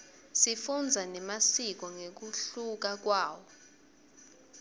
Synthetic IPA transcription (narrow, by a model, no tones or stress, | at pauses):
sifund͡zʱanɛmasik̬ɔŋek̬uɬuk̬ak̬waːwɔ